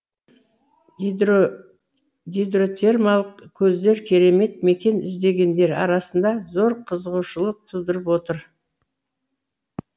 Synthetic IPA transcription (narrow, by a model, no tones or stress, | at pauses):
ɡʲid̪ro̞t̪ʰe̞rmalˠəq̚kʲʰɵzd̪e̞ɾkʲʰe̞ɾe̞me̞t̪̚me̞kʲe̞nɪ̰zd̪e̞ɡʲe̞nd̪e̞ɾɑ̰ɾɑsənd̪ɑzo̞ɾqʰəzəʁuʃəlˠəq̚t̪ʰʊd̪əɾəpwo̞t̪əɾ